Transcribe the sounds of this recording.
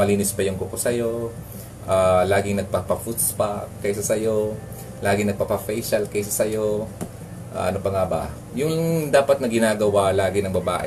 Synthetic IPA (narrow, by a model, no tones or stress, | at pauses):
mɐliːnɪspɐjʊŋkokosɐjo̞ | ʔalaːɡɪŋnɐɡ̚pɐpɐfut̪spakɐjsɐsɐjo̞ | lʔaːɡɪŋnɐɡ̚pɐpɐfɛjʃɐlkɛjsɐsɐjo̞ | ʔa̰ʔɐnopɐŋaːbɐ̰ | jʊŋd̪aːpɐt̪̚nɐɡɪnaːɡɐwalaːɡɪnɐŋbɐba̰ːʔɛ̰